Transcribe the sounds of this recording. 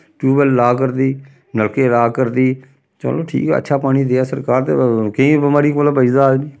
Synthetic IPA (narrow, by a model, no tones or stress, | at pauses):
ʈuːbəlːaːkəɾd̪iː | nəlkeːɾaːkəɾd̪iː | t͡ʃə̰loːʈʰḭːkɛ̰ə̰tːʃʰaːpaːɽ̃iːd̪eːaːsəɾkaːɾt̪ḛkəĩːbəmaːɾiːkoːlabəiːzaːd͡ʒniː